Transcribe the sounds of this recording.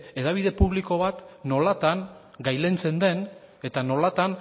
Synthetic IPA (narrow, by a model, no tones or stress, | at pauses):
e̞ðaβ̞iðe̞puβliko̞β̞at̪no̞lat̪aŋ | ɡajle̞nt͡se̞nd̪e̞n | e̞t̪ano̞lat̪an